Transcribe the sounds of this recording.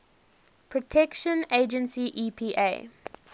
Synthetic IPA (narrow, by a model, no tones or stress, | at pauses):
pʰɹɔtʰɛkʃə̃neɪd͡ʒə̃nsiʔipʰiːʔḛɪ